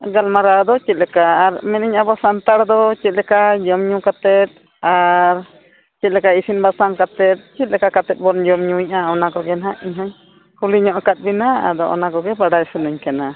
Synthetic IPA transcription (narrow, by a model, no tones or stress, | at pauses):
ɡalmaɾad̪ɔt͡ʃit̪̚ˀlɛkaːɾmɛniɲabɔsant̪aɽd̪ɔt͡ʃit̪̚ˀlɛkad͡ʒɔmɲũkat̪ɛt̪̚ | aɾ | t͡ʃit̪̚lɛkaisinbasaŋkat̪ɛt̪̚t͡ʃit̪̚lɛkakat̪ɛt̪̚ˀbɔnd͡ʒɔmɲũɲʔaɔnakɔɡɛnɦaʔiɲɦaɲ | kuliɲɔ̃ʔakat̪̚binaa̰d̪ɔʔɔ̰nakɔɡɛbaɖajsənəɲkana